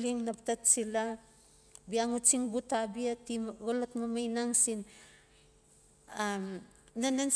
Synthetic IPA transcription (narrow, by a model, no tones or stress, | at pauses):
liŋnaptat̚sila | biaŋut͡ʃiŋbutabiatimɡolotmamajnaŋsin | amnanan